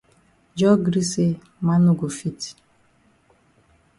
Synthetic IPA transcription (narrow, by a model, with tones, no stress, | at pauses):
d͡ʒɔ˦ɡɾi˦se˦ | ma˦nu˦ɡo˨fi˦ti̥˨